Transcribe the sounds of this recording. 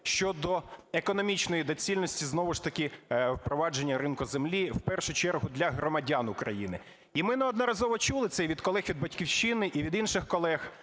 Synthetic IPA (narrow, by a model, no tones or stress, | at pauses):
ʃt͡ʃɔd̪ɔekɔnɔmʲit͡ʃnɔjid̪ɔt͡sʲilʲnɔsʲtʲiznɔʋʊʃt̪ɐkɪwpɾɔʋɑd͡ʒe̞nʲːɐɾɪnkʊzemlʲiwpɛrʃʊt͡ʃɛrɦʊd̪lʲɐɦɾɔmɐdʲanʊkɾɐ̰jinɪ | imɪnɛɔd̪nɔɾɐzɔʋɔt͡ʃulˠɪt̪sɛjʋʲid̪kɔlˠɛxʋʲid̪̚bɐtʲkʲiwʃɪnɪʔiʋʲid̪inʃɪxkɔlˠɛx